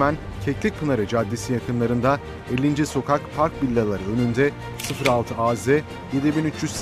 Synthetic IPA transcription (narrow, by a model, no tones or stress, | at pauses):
mæn | cʰeclʲic̚kʰːɯnaɾɯd͡ʒad̪ːisijakɯnlˠaɾɯnd̪a | elʲːind͡ʒɛso̞kʰakpʰaɾk̚bilʲːalˠaɾɯø̞nynd̪ɛ | sɯfɾalˠt̪ʰɯaːzɛ | jed̪ibinyt͡ʃjyzs